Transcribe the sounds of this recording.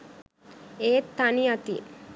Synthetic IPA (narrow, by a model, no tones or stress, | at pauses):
eːt̪ːɐniɐt̪ḭ